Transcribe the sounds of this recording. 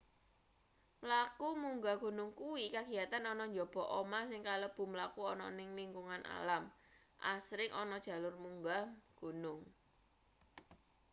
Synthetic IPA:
mlakumuŋɡaɡ̥o̤nʊŋkuwikaɡ̥i̤jat̪anɔnɔɲd͡ʒɔb̥ɔ̤ʔomasɪŋkaləb̥ṳməlakuɔnɔnɪŋliŋkuŋana̰lam | ʔa̰sɾɪŋʔɔnɔd̥ʒ̥a̤lʊrmuŋɡaɡ̥o̤nʊŋ

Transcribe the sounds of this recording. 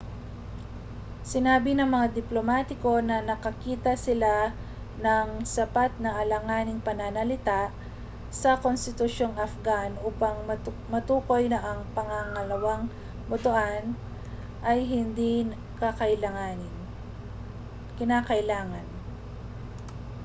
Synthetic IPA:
sɪnaːbɪnɐŋmɐŋad̪ɪplomat̪ɪko̞nɐnɐkɐkiːt̪ɐsɪla | nɐŋsɐpat̪̚nɐŋɐlɐŋaːnɪŋpɐnanɐlɪt̪aʔ | sɐkonst̪ɪt̪ʊʃo̞ŋɐfɡanʔuːpɐŋ | mɐt̪uːko̞jnɐʔɐŋpɐŋaŋɐlɐwaŋ | bʊt̪oʔan | ʔɐjɦɪnd̪i | kɐkɐʔɪlɐŋanɪn | kɪnaːkɐʔɪlaːŋɐn

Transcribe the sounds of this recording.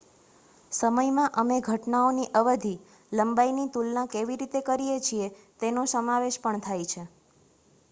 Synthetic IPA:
səməjmãʔəmeɡʱəʈnaoniʔəʋəd̪ʱi | ləmbainit̪ulnãkeʋiɾit̪ekəɾijet͡ʃʰiet̪enosəmaʋeʃpəɳt̪ʰajt͡ʃʰe

